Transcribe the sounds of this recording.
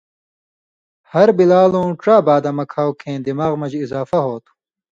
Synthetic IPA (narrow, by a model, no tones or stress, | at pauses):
hɐɾbilaːlõːʈ͡ʂaːbaːd̪ɐmɐkʰaːwkʰẽːd̪imaːɣmɐd͡ʑizaːfɐɦoːt̪ʰu̥